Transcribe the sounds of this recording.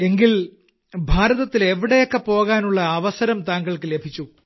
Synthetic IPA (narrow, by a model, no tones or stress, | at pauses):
e̞ŋɡil | bʱaːɾɐðɐt̪ːileʋiɽejo̞kːe̞po̞ːɣaːnuɭːɐːʋɐsɐɾɐmt̪aːŋɡɐɭkɨlebʱit͡ɕːu